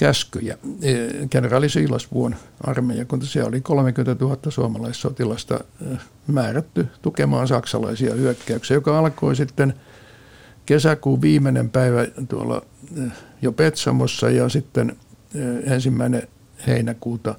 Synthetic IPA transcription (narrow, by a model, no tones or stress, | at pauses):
kæskyjæ̰ | kenerɑlisiːlɑsʋuonʔɑrmejɑkunt̪siæolikolomekyment̪æt̪uhɑt̪ːɑsuɑmɑlɑistsot̪ilɑst̪ɑ̰ | mæːræt̪ːyt̪ukemɑːnsɑksɑ̰lɑ̰isiɑ̰hyøkːæyksejokɑɑlkoisit̪ːen | kesækuːʋʋiːmenḛmpæiʋæt̪uo̰lːɑ̰ | jopet̪sɑ̰mosːɑjɑsit̪ːen | ensimːæine | hḛinækuːt̪ɑ